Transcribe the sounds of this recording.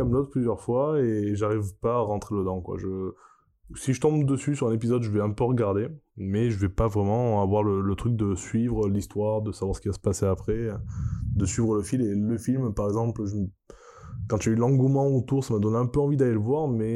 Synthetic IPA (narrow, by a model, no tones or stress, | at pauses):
aməd̪ɔt̪̚plyzjœʁfwaeʒaʁivpaːʁɑ̃t̪χeləd̪ɑ̃kwa̰ʒə | siʒət̪ɔ̃bd̪əsysyʁɛ̃nep̬izɔd̪ʒəvɛɛ̃pøʁəɡaʁd̪emɛʒəvɛpavʁɛmɑ̃avwaʁlələt̪χyk̚d̪əsɥivʁəlist̪waʁd̪əsavwaʁsə̥kʲivasə̥paseapχɛ | d̪əsɥivʁələfileləfilmpaʁɛɡzɑ̃plʒəm | kɑ̃t̪yaylɑ̃ɡumɑ̃ot̪uʁsamad̪ɔnɛ̃pøɑ̃vid̪aleləvwaʁmɛ